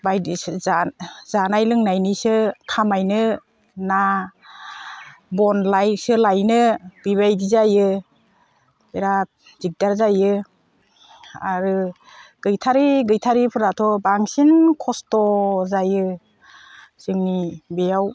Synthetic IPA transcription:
bajdzazanajlɯŋnajnisɯkʰamajnɯ | na | bɔnlajsɯlajnɯb̥iβajdizajɯ | beɾat̚ | z̥ik̚daɾzajɯ | aɾɯ | ɡ̥ɯjtʰaɾiɡɯjtʰaɾipʰɯɾatʰɔbaŋsinkʰɔstɔzajɯ | sɯŋnibejaw

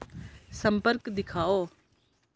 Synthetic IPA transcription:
səmpəɾkd̪ɪkʰaːoː

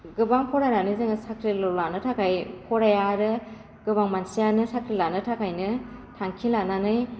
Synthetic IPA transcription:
ɡɯbaŋpʰɔɾananɯzɯŋsakʰɾilolanɯtʰakʰajpʰɔɾajaɾɯ | ɡ̥ɯbaŋmansijanɯsakʰɾilanɯtʰakʰajnɯtʰaŋkʰilananɯj

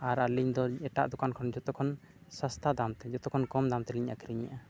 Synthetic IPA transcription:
aɾaliɲd̪ɔɛʈa̰ʔd̪ukankʰɔnd͡ʒɔt̪ɔkʰɔn | sast̪ʰad̪amt̪ɛd͡ʒɔt̪ɔkʰɔnkɔmd̪amt̪ɛliɲʔa̰kiɾiɲa̰ʔa

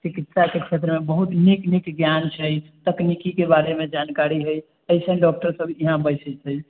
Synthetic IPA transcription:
t͡ʃikit̪sakekʰet̪ɾəmebəɦut̪niknikɡjant͡ʃʰəjt̪əknikikebaɾemed͡ʒankaɾiɦəj | əisə̃ɖɔk̚ʈəɾsəbʱiɦãbəjsət͡ʃʰəj

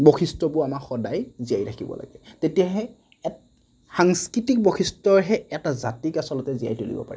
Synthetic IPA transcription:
bɔxistɔbʊamaxɔdajziajɹakʰibɔ̰la̰ɡɛtetijaɦɛ | ɛ | xaŋskɹitik̚bɔxʰistɔɹɦɛɛtazatikasɔlɔtɛzija̰jtolḭbɔ̰pa̰ɹɛ

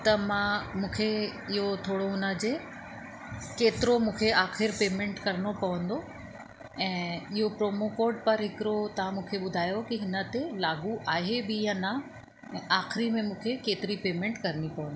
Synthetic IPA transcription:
t̪ɐmãmũːkʰeɪɦot̪ʰoːɽoʊnəd͡ʑe | keːt̪ɪɾomũːkʰeaːxɪɾpeːmẽɳʈkɐɾənopɐʋə̃nd̪o | ɛ̃ːɪɦopɾoːmokoːɾɖ̚pɐɾɦɪkɪɾot̪ɐʋ̤ãmũːkʰeɓʊd̪ʱaːjokiɪnə̆t̪elaːɡuʔaːɦebɪjãnɐ̃ | aːxɪɾimẽmũːkʰekeːt̪ɪɾipeːmẽɳʈkɐɾnipɐʋə̃nd̪o

